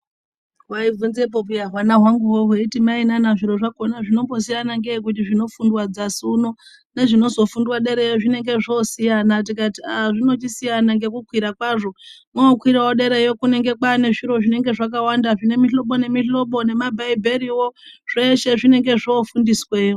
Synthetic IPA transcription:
waivunzep̬opiaɦwanaɦwaŋɡuwoɦeitimainanaʐiɾo̞ʐakonaʐino̞mbo̞s̬ijanaŋɡeːk̬ut̬iʐino̞fundwad͡zasuno | ne̞ʐino̞zo̞fundwaɗe̞ɾe̞joʐine̞ŋɡe̞ʐosijanat̬ikatiaʐino̞t͡ʃisijanaŋɡe̞kukwiɾakwaʐo̞ | mokwiɾawoɗe̞ɾejokune̞ŋɡe̞kwane̞ʐiɾo̞ʐine̞ŋɡe̞ʐak̬awandaʐine̞miɬo̞ɓo̞ne̞miɬo̞ɓo̞ne̞mabʱaibʱeɾiwo̞ʐ̥eʃe̞ʐine̞ŋɡe̞ʐofundisweo

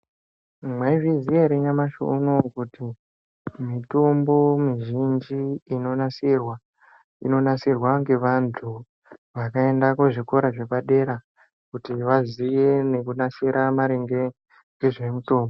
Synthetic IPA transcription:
mwaivizieɾeɲamaʃo̰uno̞kuti | mito̞mbo̞miʒind͡ʒiːno̞nasirwa | ḭno̞nasirwaŋɡe̞ʋantʰu | ʋakae̞ndakoʐiko̞ɾaʐe̞paɗe̞ɾa | kutiʋazije̞ne̞kunasiɾʔamaɾeŋɡe̞ | ŋɡe̞ʐe̞muto̞ːmbo

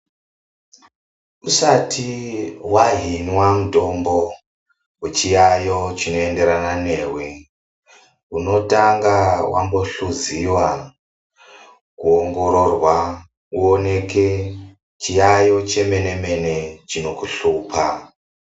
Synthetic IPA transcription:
usatʰiwaɦinwamuto̞mbo̞ | wet͡ʃijajo̞t͡ʃino̞e̞nde̞ɾananeːwe | uno̞taŋɡawʔa̰mbo̞ɬuziwa | kuoŋɡo̞ɾo̞rwa | uone̞ke | t͡ʃijajo̞t͡ʃe̞me̞ne̞me̞ne̞t͡ʃino̞kuɬuːpʰa̰

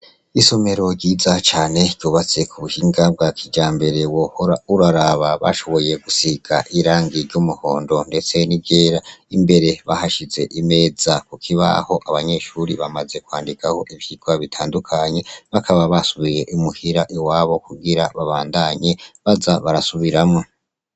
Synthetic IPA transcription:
iso̞me̞ɾo̞ɾɟiːzat͡ʃaːne̞ɾɟjuːβat͡se̞kʰuβuhiːŋɡab̚ɡakʰiɟaːmbe̞ɾe̞wohoɾauɾaɾaβaβa̰ʃo̞βo̞je̞ɡusiɡaʔiɾaːŋɡiɾɟumuho̞̰ːndo̞nde̞t͡se̞nibɟeːɾaimbe̞ɾe̞βahaʃize̞ʔime̞ːzakukʰiβa̰ho̞ʔaβaɲe̞ʃuɾiβamaze̞kwaːndikʰaho̞ʔiβjiɡwaβitʰaːndukʰaɲe̞βakʰaβaβasuβiɾeʔimuhiɾaʔiwaːβo̞kuɡiɾaβaβaːndaɲe̞βazaβaɾasuβiɾamŋo

